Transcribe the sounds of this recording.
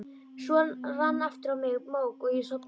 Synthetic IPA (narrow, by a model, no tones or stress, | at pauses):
sɔːlvanːaft̪ɪɾawmɪɣmoːwkɔɣjɛsɔp